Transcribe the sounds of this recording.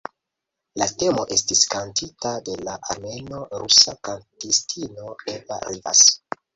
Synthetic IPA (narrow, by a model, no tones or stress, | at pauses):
late̞mo̞ʔe̞stiskantʰitade̞laʔaɾme̞no̞ɾʔusakantistʰino̞eva̰ɾiva̰s